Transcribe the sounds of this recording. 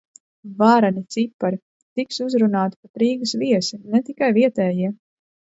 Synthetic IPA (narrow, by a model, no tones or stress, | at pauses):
vaːɾanʲit̪sipːaɾi | t̪iksuzɾunaːt̪i̥kat̪ɾiːɡɐsviɛsinɛt̪ikajviɛt̪ɛːjiɛ